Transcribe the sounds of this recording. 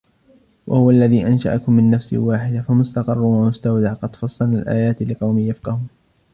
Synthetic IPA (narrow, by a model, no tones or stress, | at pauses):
wʔa̰hʊwalːaðiːʔanʃa̰ʔakʊmːɪnːafsḭwaːħɪd̪afamʊst̪ɑqɑrˤːwamʊst̪awd̪aʕqɑd̪̥fɑsˤːɑlalʔa̰ːjaːt̪lɪqɑwmiːjafqɑhʊː